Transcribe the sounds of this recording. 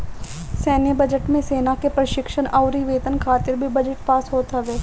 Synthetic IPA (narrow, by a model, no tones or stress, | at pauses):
sɛːnebəd͡ʒəʈmẽseːnakepɾəʃɪkʃənɐʊɾiʋeːt̪ənkʰaːt̪ɪɾbʱibɐd͡ʒəʈpaːsɦoːt̪aʋɛː